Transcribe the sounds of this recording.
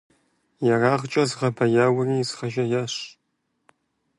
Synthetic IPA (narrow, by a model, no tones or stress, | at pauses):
jɐraːʁt͡ʃʼɐzɨʁɐbʰɐjaːwɐriːzχɐʒɐjaːɕ